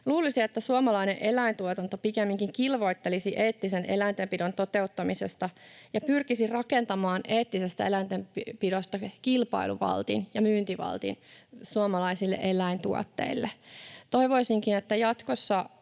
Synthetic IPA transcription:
luːlisiet̪ːæsuɑmɑlɑinḛʔelæint̪uot̪ɑnt̪opikemːiŋkiŋkilʋo̞it̪ːelisiʔeːt̪ːisenḛlæint̪empidont̪o̞t̪e̞ut̪ːɑmisest̪ɑjɑpyrkisirɑkent̪ɑmɑːnʔeːt̪ːisest̪æelæint̪empidost̪ɑkilpɑ̰ilṵʋɑ̰lt̪ḭnjɑmyːnt̪iʋɑ̰lt̪ḭnsuɑmɑlɑisilːḛʔe̞læint̪uo̰t̪ːḛilːet̪o̞iʋo̞isiŋkinet̪ːæjɑt̪kosːɑ

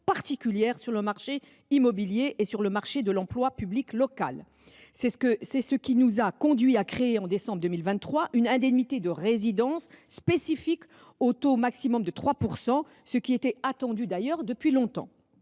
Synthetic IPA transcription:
paʁt̪ikʲyljɛʁsyʁləmaʁʃe | imɔbiljeʔesyʁləmaʁʃed̪əlɑ̃plwapybliklɔka̰l | sɛəsɛsəkʲinuzakɔ̃d̪ɥiakχeeɑ̃d̪esɑ̃bʁd̪əmilvɛ̃t̪ːχwaʔynɛ̃d̪ɛnit̪ed̪əʁezid̪ɑ̃sːpesifik | ot̪omaksimɔmd̪ət̪χwapuʁsɑ̃ | səkʲiet̪ɛat̪ɑ̃d̪yd̪ajœʁd̪əpɥilɔ̃t̪ɑ̰̃

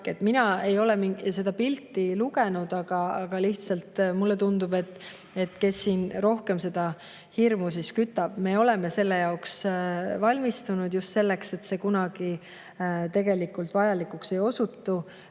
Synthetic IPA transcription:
et̪ːˑminɑe̞jo̞lemise̞d̪ɑpilt̪ːiluɡe̞nud̪̥ɑɡ̥ɑɑɡ̥ɑliht̪sɑlt̪mulːet̪und̪ube̞t̪ːˑ | e̞t̪ke̞sːiːnro̞hke̞mse̞d̪̥ɑ | hirmus̬iskyt̪ːˑɑb̥me̞ːo̞le̞me̞se̞lːe̞jɑoksvɑlʲmist̪unud̪̥just̪se̞lːe̞kse̞t̪se̞kunɑɡ̥i | t̪e̞ɡ̥e̞likːult̪vɑjɑlikːˑukse̞jo̞sut̪ːu

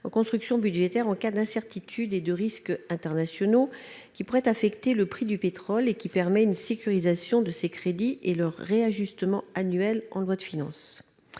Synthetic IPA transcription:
ɑ̰̃kɔ̃st̪χyksjɔ̃byd̪ʒet̪ɛʁɑ̃kad̪ɛ̃sɛʁt̪it̪ʰyd̪ed̪əʁiskɛ̃t̪ɛʁnasjɔnokʲipuʁɛt̪afɛkt̪eləpχid̪ypet̪χɔlekʲipɛʁmɛynsekʲyʁizasjɔ̃d̪əsekχed̪iʔelœʁːeaʒyst̪əmɑ̃anɥɛlɑ̰̃lwad̪əfinɑ̰̃s

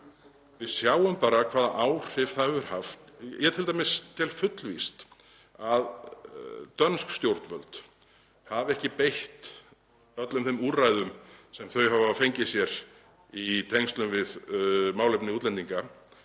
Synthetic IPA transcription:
vɪðsjaːwʏmpaːɾakʰv̥aːðaʔaːwr̥ɪv̥θavʏɾ̥haft̪jʔɛt̪ʰɪlt̪amɪst̪ʰɪlfʏt̪lvist̪ | að | t̪œnskst̪jowɾ̥t̪nvœlt̪ | havɛhcɪpejht̪ | œt̪lʏmθɛmuːrajðʏmsɛmθœɥɦavafejɲcɪsjɛɾ | it̪ʰejŋst̪lʏmvɪðmaːwlepnɪuːt̪lɛnt̪iŋka

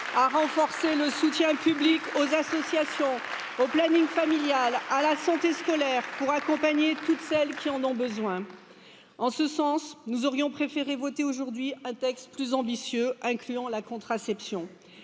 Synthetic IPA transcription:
aʁɑ̃fɔʁseləsut̪jɛ̃pyblikozasɔsjasjɔ̃ | oplaniŋfamiljalalasɑ̃t̪eskɔlɛʁpuʁakɔ̃paɲet̪ut̪sɛlkʲiɑ̃nɔ̃bəzwɛ̃ | ɑ̃səsɑ̃snuzɔʁjɔ̃pχefeʁevɔt̪eoʒuʁd̪ɥiɛ̃t̪ɛkst̪plyzɑ̃bisjøɛ̃klyɑ̃lakɔ̃t̪χasɛpsjɔ̃

